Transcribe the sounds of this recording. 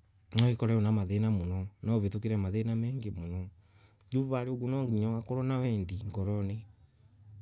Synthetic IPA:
nɔekɔɾɛonamaðenamonɔnɔβetokeɾɛmaðenamɛːŋɡemonɔ | d͡ʒuβaɾeoɡonɔɡiɲɔwakɔɾɔnawɛːndiŋɡɔɾɔne

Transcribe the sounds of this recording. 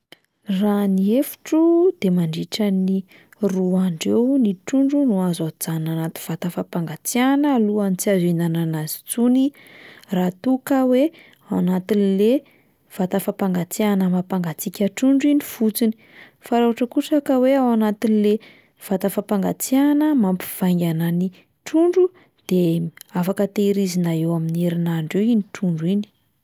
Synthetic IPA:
raniefu̥ʈ͡ʂud̪̥emaɳɖ͡ʐiʈ͡ʂəni | ruaɳɖ͡ʐewniʈ͡ʂuɳɖ͡ʐunuazad͡zananat̪u̥v̥at̪afapaŋɡat͡sianəːluanit͡siazinananazi̥t͡suni | rat̪ukəwe | awanat̪inile | v̥at̪afapaŋɡat͡sianəmapaŋɡat͡sikʲəʈ͡ʂuɳɖ͡ʐinifut͡sini̥ | faɾauaʈ͡ʂəkuʈ͡ʂakəweawanat̪inile | v̥at̪afapaŋɡat͡sianəmampi̥v̥aŋɡʲanani | ʈ͡ʂuɳɖ͡ʐu | d̪̥eafakət̪eɾizinaewamineɾinaɳɖ͡ʐewiniʈ͡ʂuɳɖ͡ʐuini̥

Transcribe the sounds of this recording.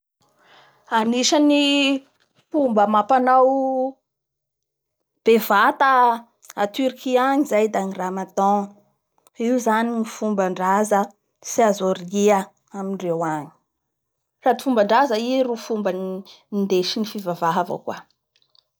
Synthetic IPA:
aniʃəni | pumbəmapanaw | b̥evat̪a | at̪yɾikiaɲizajd̪aniramat̪ɔ̃ | iwzanimifumbaɳɖ͡ʐazə | siazoriə | aminrewaɲi̥ | rad̪ifumbaɳɖ͡ʐazəirufumbə | ind̪eʃinifivavaɦavə̰kwa

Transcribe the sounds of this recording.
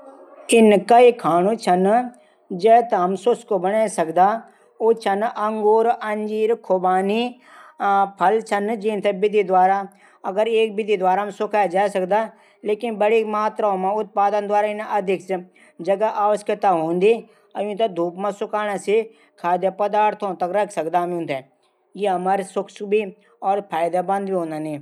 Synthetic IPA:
ɪnkaikʰaːɽ̃ũt͡ʃʰɐn | d͡ʒeːt̪ɐɦɐmsʊskobɐɽ̃aːesɐkd̪a | oːt͡ʃʰɐnʔɐ̃ŋɡoːɾɐɲd͡ʒiːɾkʰobaːni | pʰɐlt͡ʃʰɐnd͡ʒĩːnt̪ʰebɪd̪ʱid̪ʋaːɾa | ɐɡəɾeːk̚bɪd̪ʱid̪ʋaːɾamsʊkʰaːed͡ʒaːesɐkd̪a | leːkɪnbəɽimaːt̪ɾaõmãʊt̪̚paːd̪ənd̪waːɾaɪnɐd̪ʱɪks | d͡ʒəɡaʔaːʋəsət̪aɦõːnd̪iː | əjũnt̪ad̪ʱuːpmãsʊkaːnãse | kʰaːd̪jəpəd̪aːɾt̪ʰõːt̪əkɾɐkʰsəkd̪aːmũnt̪ɛ | jeɦɐmaːɾsʊkʰsbiː | ɔːɾpʰaːjd̪abɐ̃nd̪biɦõːnd̪aːnĩː

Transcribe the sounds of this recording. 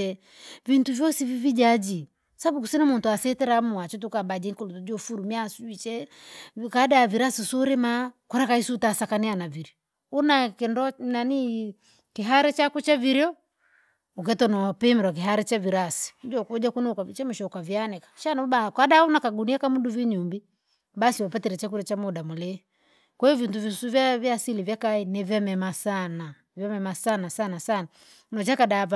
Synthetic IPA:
ɛ | vintuvjɔsivivid͡ʒad͡ʒi | saabukusinamuntuasɛtɛɾamuat͡ʃɛt̬ukabad͡ʒɛŋkɔlutud͡ʒɔfuɾumiasuit͡ʃɛ | kadaviɾasisɔɾɛmakɔɾakaisuːtasakanɛanaviɾɔ | unakɛndɔnani | kiɦaɾɛt͡ʃakut͡ʃaviɾjɔ | uk̬ɛtɔnɔwapɛmɛɾwak̬iɦaɾɛt͡ʃaviɾasi̥ud͡ʒɔkud͡ʒakunuukait͡ʃamuʃɔukavjanɛkḁʃanauɓakaɗaunakaɡuniakamuduviɲumbi | basiwapatɛɾɛt͡ʃakuɾɔt͡ʃamuɗamulɛ | kwɛuvintuvisuvavjasilivjakainɛvjamɛmasana | vjamɛmasanasanasana | nɔt͡ʃakaɗava

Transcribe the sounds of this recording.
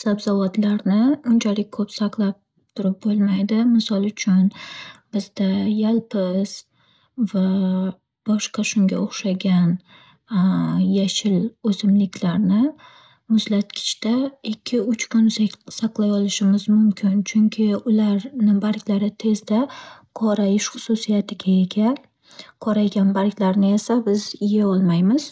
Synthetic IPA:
sabzavat̪laɾnɪʊnt͡ʃʰalɪk̚ʲkʰɵpsaqlˠap̚ | t̪ʰʊɾɪp̚bolˠmajd̪ɪmɪsɒlˠʊt͡ʃʰʊnb̥ɪzd̪ajalˠpʰɪz̥ | va | b̥ɒʃqɑʃʊŋɡʲa̰oχʃaɡʲan | jaʃɪlɵzɪmlɪkʲʰlaɾnɪ | mʊzlat̪kʲʰɪ̥t͡ʃt̪aɪkʲʰːɪʊt͡ʃkʰʊnssaqlˠajɒlɪʃɪmɪzmʊmkʲʰɪnt͡ʃʰʊŋkʲʰɪʊlaɾnɪbaɾkʲlaɾɪt̪ʰe̞zd̪aqʰɒɾajɪʃχʊsusijat̪ʰɪɡʲaeɡʲa | qʰɒɾajɡʲanbaɾkʲlaɾnɪe̞sabɪzɪjaɒlˠmajmɪz̥

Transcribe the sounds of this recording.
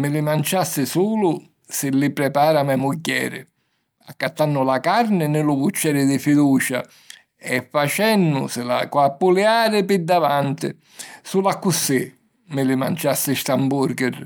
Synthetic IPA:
mɪlɪmant͡ʃasːɪsuːlʊ | sɪlɪpɾɛpaːɾamɛmʊɟːɛ̰ːɾɪ̰ | a̰kːat̪ːanːʊlakaɾnɪnɪlʊput͡ʃːɛːɾɪd̪ɪfid̪uːt͡ʃa̰ | ɛfːat͡ʃɛnːʊ̰sɪla̰kwapːuljaːɾɪpɪd̪ːavant̪ɪ̰ | sulakːusːɪ | mɪlɪma̰nt͡ʃasːɪst̪ambuɾɡɪr

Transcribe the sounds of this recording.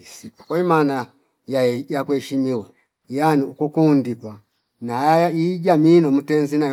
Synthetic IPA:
sikimana | jajakuɛʃimiwa | janiukukundikwa | najajaid͡ʒaminɔmutɛnzina

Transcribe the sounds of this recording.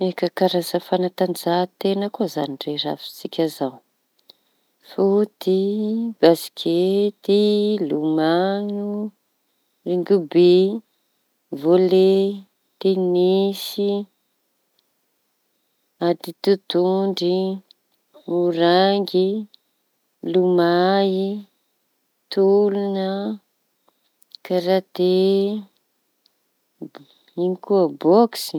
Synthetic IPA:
ekəkaɾazəfanat̪and͡zat̪enəkoza̰nirera̰fi̥t͡sikʲazaw | fut̪ib̥asi̥kʲʰet̪ilumanu | riŋɡubi | vole | t̪enisi | ad̪it̪ut̪uɳɖ͡ʐi | uɾaŋɡi | lumai | t̪ulunə | kaɾat̪e | inikuəbɔksi̥

